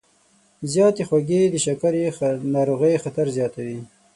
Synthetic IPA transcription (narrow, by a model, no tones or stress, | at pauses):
zjɑt̪exwaɡed̪əʃakaɾenɑɾoɣəjxat̪aɾzjɑt̪awi